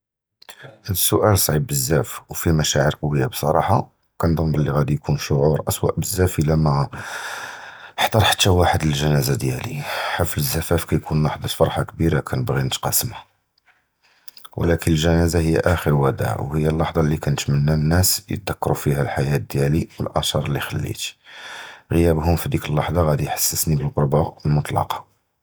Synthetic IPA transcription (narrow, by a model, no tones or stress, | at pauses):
sːʊʔælsˤʕib̚ːəzːæfwfimæʃæʕəɾqɑwːəjːabsˤɑɾˤɑħɑ | kænd̪ˤəmːəlːiɣæd̪ijkʰunʃoʕuɾˤʔəswæ̰ʔbəzːæfəlæmæ | ħt̪ˤɑɾˤħḁt̪ːæwaħəd̪əlʒænæzad̪jælḭħafləzːæfæfkæjkʰunwaħd̪ˤɑt̪fɑɾˤħɑkbiɾakʰænəbɣinət̪qɑsəmhæa | wlækənəlʒænæzahəjːæ̰ʔæxəɾwæd̪æ̰ʕwhəjːælːɑħd̪ˤɑlːikænət̪mənːænːæsjə̰t̪ːækːɾufihælħajæt̪d̪jæliwə̰lʔɑʃɑɾˤlːixælːḭt̪ | ɣəjæbhʊmfid̪ikəlːɑħd̪ˤɑɣæd̪ijħḁsːəsnibəlqʊɾˤbɑəlmʊt̪ˤlɑ̰qɑ̥